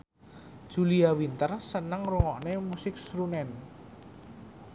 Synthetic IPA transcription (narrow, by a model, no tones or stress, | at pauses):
d̥ʒ̥uliawint̪ərsənəŋruŋɔʔnemusɪk̚sɾunɛn